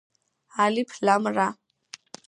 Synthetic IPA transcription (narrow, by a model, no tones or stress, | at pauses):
alipʰlamra